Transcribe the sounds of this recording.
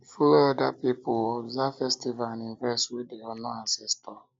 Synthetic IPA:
ifuɾoɔdapipʊɔzafɛstivaaninvɛswedeɔnɔansistɔ

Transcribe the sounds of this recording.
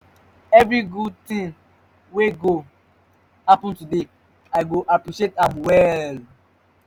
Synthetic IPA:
ɛvɹiɡud̚tĩŋ | weɡo | hapɔ̃ntude | aɪɡoʔapɹiʃietãmwɛl

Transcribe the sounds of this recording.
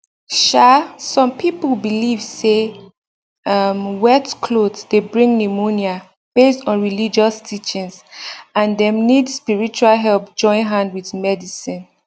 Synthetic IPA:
ʃasɔ̃mpʰipəlbilivse | amwɛtkʰlodsdebɹĩŋnimonia | b̥estɔ̃nɹilid͡ʒɔstʰit͡ʃĩnsãndɛ̃mnidspiɹit͡ʃualɦɛlp̚d͡ʒɔ̃ɪ̃nɦãndwiðmɛdisĩn

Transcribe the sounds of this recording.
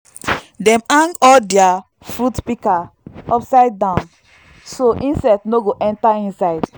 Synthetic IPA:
dɛ̃mãŋɡɔldɛa | fɾutpikaɔpsaɪd̚ːãʊ̃n | soʔĩnsɛtnoɡoʔɛ̃ntaĩnsaɪd

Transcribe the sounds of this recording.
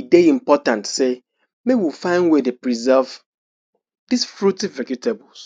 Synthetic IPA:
ideĩmpɔtãntse | mewifãɪ̃nwedepɹizɛv | disfɹutiɹɛkjutʰebɔls

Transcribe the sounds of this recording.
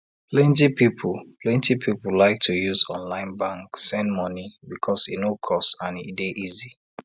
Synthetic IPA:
plɛ̃ntipipʰulpʰlɛ̃ntipʰipulaɪk̚tʰujuzɔ̃nlãɪ̃nbãŋksɛ̃ndmɔnibikʰɔsinokʰɔstãnideʔizi

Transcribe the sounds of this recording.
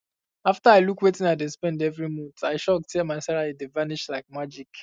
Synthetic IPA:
aftaaɪlukwetĩnaɪdespɛ̃ndɛvɹimũntaɪʃɔk̚tʰɛmaɪsɛɹalidevaniʃlaɪk̚mad͡ʒik

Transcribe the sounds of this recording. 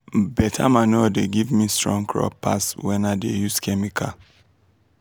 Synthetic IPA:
bɛtʰa̰manodeɡivmistɹɔ̃ŋkʰɹɔ̰pːa̰swɛ̃nadejuskʰɛmikʰa

